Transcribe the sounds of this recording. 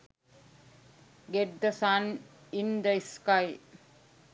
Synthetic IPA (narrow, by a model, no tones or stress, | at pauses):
ɡeɖd̪ɐsaːn | ind̪ɐiskaj